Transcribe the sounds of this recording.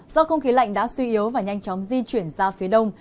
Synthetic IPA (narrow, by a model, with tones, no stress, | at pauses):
zɔ˧xə˧wŋ͡mxi˨˦la̰˧˨jŋ̟ɗa̰ː˧˥swi˧ʔi˨˦ə˦wvaː˨˩ɲa˧jŋ̟t͡ɕɔ˨˦wŋ͡mzi˧t͡ɕwi˧˩ənzaː˧fi˨˦əɗə˧wŋ͡m